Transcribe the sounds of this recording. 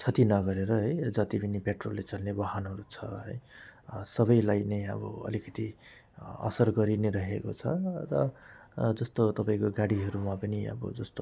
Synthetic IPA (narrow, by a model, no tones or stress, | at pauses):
t͡sʰʌt̪inʌɡʌɾeɾʌɦʌjd͡zʌt̪ibinipeʈrolːet͡sʌlnebʌɦanɦʌɾut͡sʰʌɦʌ̰jsʌβʌjlajnʌjʌ̰bʌ̰ʌ̰likʌt̪i | ʌ̰sʌrɡʌɾineɾʌɦekot͡sʰʌrʌ | d͡zʌst̪ot̪ʌpaĩkoɡaɽiɦʌɾumapʌniʌ̰bʌ̰d͡zʌst̪o